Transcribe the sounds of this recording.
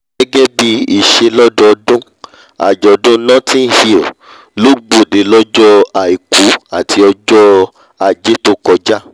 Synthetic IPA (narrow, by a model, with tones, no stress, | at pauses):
ɡɛ˦ɡɛ˦bi˧i˦˨ʃe˧lɔ˦dɔ˦ɔ˧dũ˦ | a̰˨d͡ʒɔ˨dũ˦nɔ̃˦tĩ˦n˦hi˨ | lo˦ɡ͡bo˨de˨lɔ˦d͡ʒɔ˦a˨i˨ku˨˦a˦˨tʰi˧ɔ˧d͡ʒɔ˦ | a˨d͡ʒe˦to˦kɔ˧d͡ʒa˦